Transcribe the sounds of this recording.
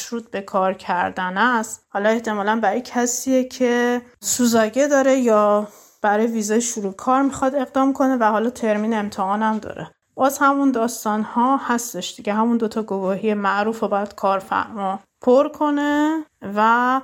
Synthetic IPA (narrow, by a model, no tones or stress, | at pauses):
ʃɾuːt̪̚be̞kʰɒːɾcʰæɾd̪ænæst̪hɒːlɒe̞ht̪e̞mɒːlænbæɾɔjecʰæsiːecʰe̞suːzɒːɟed̪ɒːɾe̞jɒː | b̥æɾɒːjeviːzɒjeʃuɾukʰɒːɾmixɒd̪e̞ɣd̪ɒːmkʰo̞ne̞væhɒːlɒːt̪ʰe̞ɾmiːnemt̪ʰehɒːnæmd̪ɒ̰ːɾʔe | b̥ɒːzhæmund̪ɒːst̪ɒːnhɒhæst̪e̞ʃd̪̥iɟeɦæmund̪ot̪ʰɒɡovɒːhijemæʔɾuːfobɒjæd̪̥kʰɒːɾfæ̰ɾmɒ | pʰoɾkʰo̞nevæ